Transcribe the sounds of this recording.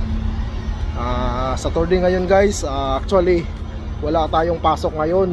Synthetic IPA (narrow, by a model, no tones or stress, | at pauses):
ʔaːsɐt̪oɹd̪ɪŋɐjo̞nɡajsaʔak̚t͡ʃʊali | wɐlaʔt̪aːjoŋpaːso̞k̚ŋɐjo̞n